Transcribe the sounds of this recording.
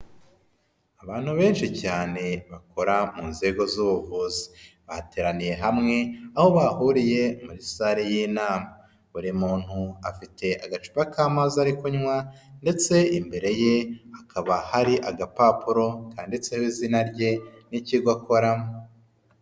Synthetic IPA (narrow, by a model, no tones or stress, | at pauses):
aβaːn̥huβe̞ːnʃicaːne̞βakʰo̞ɾamuːnze̞ɡozuːβuvuzi̥βahate̞ːɾanije̞ɦamŋe̞aho̞βahuɾije̞muɾisaɾejinaːma | βuɾimuːn̥huafitʰe̞ʔaɡat͡ʃu̥bakaːmazaɾikuɲŋwande̞t͡se̞imbe̞ɾe̞je̞akʰaβahaɾiʔaɡapapuɾo̞kaːndit͡sehizinaɾɟe̞niciɡwakʰo̞ɾamo